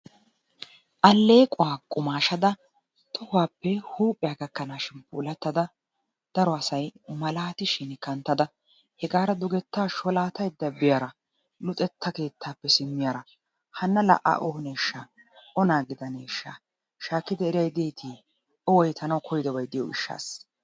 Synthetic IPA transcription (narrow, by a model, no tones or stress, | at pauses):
ʔɐlːe̞ːkʼʊwaːkʼʊmaːʃɐd̪ɐ | t̪ɔhaːpːɛhuːpʼːɪjaːkɐkːɐnaːʃɪnpṵːlɐt̪ːɐd̪ɐ | d̪̥ɐɾɔɐsɐjmɐlaːt̪ɪʃɪnkɐnt̪ːɐd̪ɐ | hɛɡaːɾɐd̪ʊɡɛt̪ːaːʃɔlaːt̪ɐjd̪ɐbɪjaːɾɐ | lʊt̪ʼɛt̪ʰːɐke̞ːt̪ʰːaːpːɛsɪmːɪjaːɾɐ | hɐnːɐlɐ̰ʔa̰ːʔɔhʊneːʃːa | ʔɔnaːɡɪd̪ɐnḛːʃːa̰ | ʃaːkːɪd̪ɛːɾɪjɐjd̪eːt̪ʰiː | ɔwɔjt̪ʰɐnɐwkʰɔjɪd̪ɐwɐjd̪ɪjɔɪʃːa̰ːs